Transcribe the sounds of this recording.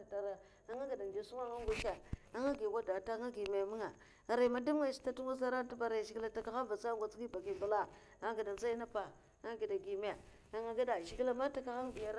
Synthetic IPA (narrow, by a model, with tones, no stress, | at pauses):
ta˨ɾa˨ | a˨ŋa˦ɡi˨da˨n˨d͡ʒa˨su˦ma˦ŋa˦ɡʷa˦t͡ʃa˨a˦ŋa˦ɡi˨wa˦da˨ta˦ŋa˦ɡi˨me˨mi˦ŋa˨ | a˨ɾa˨ma˨da˦m˦a˦˨si̥˨ta˦tu˦ma˦z̬a˦ɾa˦ta˦ba˨ɾa˨ʃi˨ɡla˨ta˨ka˨xa˦va˨t͡sa˦ɡʷa˨t͡sɡi˦ba˨ki˨ba˨la˦ | a˦ɡi˨da˨za˦i˦na˦pa˨ | a˦ɡi˨da˨ɡi˨me˨ | a˨ŋa˦ɡa˦da˨ʃi˨ɡi˦la˨ma˦ta˨ka˦xa˦ŋ˦bi˨ja˦